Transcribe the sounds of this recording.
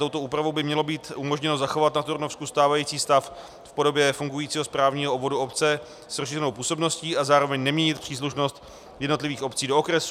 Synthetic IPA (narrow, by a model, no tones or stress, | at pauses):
t̪o̞wt̪o̞uːpɾavo̞wbɪmɲɛlo̞biːt̪ʔumo̞ʒɲɛno̞zaxo̞vat̪nat̪uɾnofskust̪aːvajiːt͡siːst̪af | fpo̞do̞bjɛfuŋɡujiːt͡siːɦo̞spɾaːvɲiːɦoobvo̞duopt͡sɛ | srosʃiːrɛnowpuːso̞bno̞sciːʔazaːɾo̞vɛɲnɛmɲɛɲɪt̪pr̝̥iːs̬luʃno̞st̪ | jɛdnolɪviːxo̞pt͡siːdo̞okɾɛsu